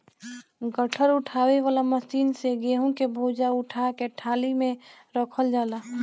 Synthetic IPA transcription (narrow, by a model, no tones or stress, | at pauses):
ɡəʈʰəɾʊʈʰaːʋeʋaːlaməsiːnseɡeːɦõkebʱoːd͡ʒaʊʈʰakeʈʰaːlimẽ | ɾəkʰəld͡ʒaːlaː